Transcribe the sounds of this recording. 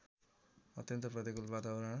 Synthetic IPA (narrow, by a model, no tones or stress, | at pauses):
ʌt̪jʌnt̪ʌprʌt̪ikulbat̪abʌɾʌɽ̃ʌ